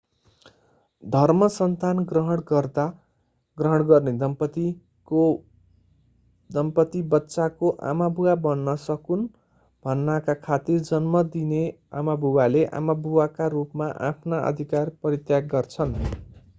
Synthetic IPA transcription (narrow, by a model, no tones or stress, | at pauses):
d̪ʱʌrmʌsʌnt̪anɡrʌɦʌɽɡʌrd̪a | ɡrʌɦʌɽ̃ɡʌrned̪ʌmpʌt̪i | o | d̪ʌmpʌt̪ibʌtːsakoʔa̰mabʱuwabʌnːʌsʌkun | bʱʌnːakakʰat̪ird͡zʌnmʌd̪ine | a̰mabʱuwaleʔa̰mabʱuwakarupmaʔa̰pʰnaʔʌ̰d̪ʱikarpʌɾit̪jaɡɡʌrt͡sʰʌn